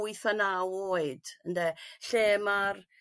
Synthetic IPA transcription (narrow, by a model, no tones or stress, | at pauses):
ɨθanawoːɨdəndɛɬeːmar